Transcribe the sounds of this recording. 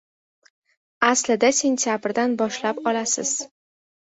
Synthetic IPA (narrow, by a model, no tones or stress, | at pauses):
aslɪd̪asʲe̞nt̪ʰjabɾd̪anbɒʃlapɒlasɪ̰z̥